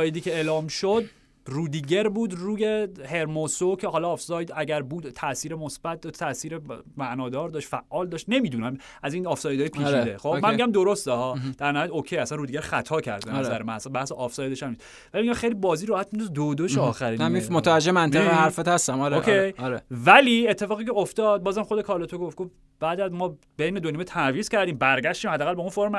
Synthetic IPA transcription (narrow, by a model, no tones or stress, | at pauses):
jed̪iːcʰʲeeːlɒːmʃod̪̚ | ruːd̪iːɟeɾbuːd̪ruːjehe̞ɾmosocʰehɒːlɒːfsɒːjd̪æɟæɾbuːd̪t̪ʰːæʔsiːɾemosb̥æt̪̚d̪ʰæsiːɾemæʔnɒːd̪ɒːɾd̪ɒːʃt̪fæʔːɒːld̪ɒːʃt̪ne̞miːd̪uːnæm | ʔæziːnɒfsɒːjed̪ɒːjepʰiːt͡ʃʰid̪eχobmænmiɟʲæmd̪o̞ɾo̞st̪ehɒːd̪̥æɾnæhɾd̪okʰejæsænrud̪iɡeɾχæt̪ʰɒːcʰæ̰ɾd̪æzæɾemænæsænbæhseʔɒfsɒːjed̪eʃæmnis | væliɑxejlibɒːziːɾɒːhæt̪mind̪uzd̪od̪oʃeɒːxæɾiːmimot̪ʰævæd͡ʒeemæntʰeehæɾfet̪hæst̪æmɒɾeokʰejɒɾevæliːe̞t̪ʰːe̞fɒːɣiːcʰeoft̪ɒːd̪̚bɒːzæmχod̪ekʰɒːlɒt̪ʰoɡofɡof | b̥æːd̪æzmɒː | b̥ejned̪oniːmet̪ʰænviːz̥cʰæɾd̪iːmbæɾɟæʃt̪iːmhæd̪ːæːɣælbeũnfoɾm